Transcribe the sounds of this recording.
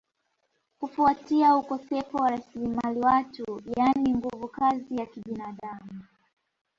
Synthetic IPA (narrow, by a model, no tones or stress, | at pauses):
kufuatiaukɔsɛfɔwaɾasilimaliwatujaniŋɡuvukazijakiɓinaɗamu